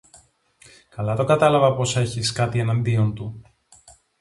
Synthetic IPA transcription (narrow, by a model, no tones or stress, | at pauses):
kɐlɐt̪o̞kɐt̪ɐlɐvɐpo̞se̞çiskɐt̪ienɐnd̪io̞nt̪u